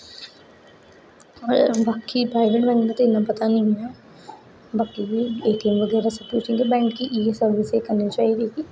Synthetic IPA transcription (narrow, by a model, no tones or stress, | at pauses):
ɔːɾbaːkipɾaːɪʋeʈbɛ̃ːŋɡnat̪oɪnːapɐt̪anɐĩɦja | baːkiieːʈ̪iəmʋɐɡɛːɾasepuːt͡ʃʰĩt̪obɛ̃ːŋɡkiʔiːesəɾʋɪsekɐɾnit͡ʃaːɦid̪iki